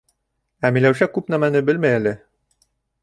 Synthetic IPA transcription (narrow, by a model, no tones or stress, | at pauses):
æmilæwʃækːupnæmænɘbɘlmæjælɘ